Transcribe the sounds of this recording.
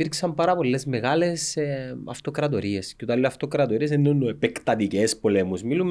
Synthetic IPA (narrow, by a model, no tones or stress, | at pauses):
piɾksɐmpɐɾɐpo̞lːe̞zme̞ɣɐle̞sɐft̪o̞kɾɐt̪oɾie̞sce̥ot̪ɐliːoɐft̪okɾɐt̪oɾies̬enːonuepekt̪ɐt̪icespo̞lemusmilum